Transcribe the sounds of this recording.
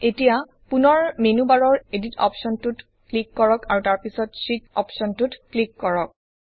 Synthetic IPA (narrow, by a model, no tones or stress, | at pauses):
etija | punɔɹmenubaɹɔɹeditɔ̰psɔntut | klikːɔɹɔkaɹutaɹpisɔtsikɔ̰psɔntutklikːɔɹɔk̚